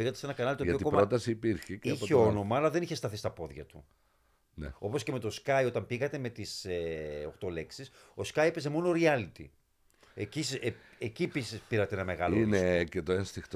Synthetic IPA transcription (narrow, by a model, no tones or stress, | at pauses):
iɣɐt̪ese̞nɐkɐnɐlit̪oɐtoikopɾmɾot̪ɐsiːpiɾçeciçeo̞no̞mɐːlɐðe̞niçe̞st̪ɐθist̪ɐpo̞ðʝɐ̰t̪ṵ | neo̞po̞sce̞me̞t̪o̞skɐjo̞t̪ɐmbiɣɐt̪e̞me̞t̪iseo̞xt̪o̞le̞ksis | o̞skɐjepeze̞mo̞noɾiɐlit̪ḭ | ecise | ecipispiɾɐt̪eenɐme̞ɣɐloiinecet̪oenst̪ixt̪